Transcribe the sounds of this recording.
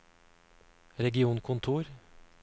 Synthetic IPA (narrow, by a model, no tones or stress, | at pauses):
ɾɛɡɪuːnkʰʊnt̪ʰuːɾ